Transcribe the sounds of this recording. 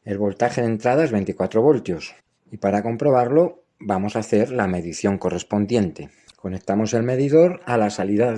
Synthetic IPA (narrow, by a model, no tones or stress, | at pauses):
e̞lβo̞lt̪axe̞ðe̞nt̪ɾað̞aezβe̞nt̪ikwat̪ɾo̞βo̞lt̪jo̞s | ipaɾako̞mpɾo̞βaɾlo̞ | bamo̞saθe̞ɾlame̞ðiθjo̞ŋko̞re̞spo̞nd̪je̞nt̪e̞ | ko̞ne̞k̚t̪amo̞se̞lme̞ðiðo̞ɾalasaliða